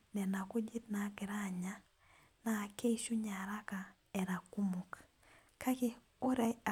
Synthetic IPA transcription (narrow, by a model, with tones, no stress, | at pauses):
nɛ˨na˨ko˦d͡ʒi˦t̪na˨˦kɪ˨ɾa˨ɲa˦ | na˨ke˦i˦ʃu˦ɲa˨ɾa˦ka˨ | ɛ˨ɾa˨ku˦mu˨k | ka˦ke˦ | o˦ɾa˦a˨